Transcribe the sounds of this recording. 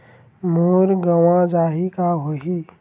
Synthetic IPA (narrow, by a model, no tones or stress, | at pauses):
muːɾɡəwãd͡ʒaːɦikaɦoːɦi